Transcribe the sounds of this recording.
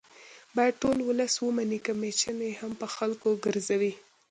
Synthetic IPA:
bɑjad̪̚ʈolwʊləswəmanikamet͡ʃənjehampəxalkoɡəɾzawi

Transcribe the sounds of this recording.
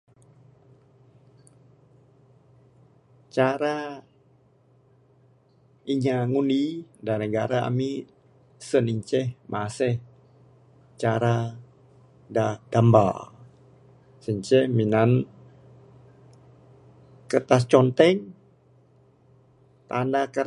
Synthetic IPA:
t͡ʃaɾa | iɲaŋunidanəɡaɾaa̰mi | səniɲt͡ʃɛhmʔasɛh | t͡ʃaɾa | dad̥amba̰l | səɲt͡ʃɛhminan | kət̪ast͡ʃɔnt̪ɛŋ | t̪andakəɾ

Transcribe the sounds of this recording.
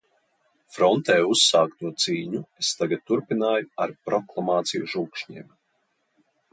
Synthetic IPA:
fɾɔnt̪ɛːusːaːkt̪uɔt̪siːɲuest̪aɡad̪̚t̪uɾpinaːjuaɾpɾɔklˠamaːt̪sijuʒuːkʃɲḭːm

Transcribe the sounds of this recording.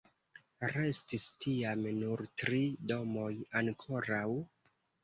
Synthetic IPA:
ɾe̞stistʰiamnuɾtɾido̞mo̞jaŋkʰo̞ɾaw

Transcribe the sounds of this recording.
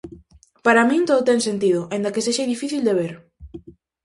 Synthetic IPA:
paɾamĩnt̪oðot̪ɛŋsent̪iðʊaĩnd̪ɐkeseʃaðifiθild̪eβ̞eɾ

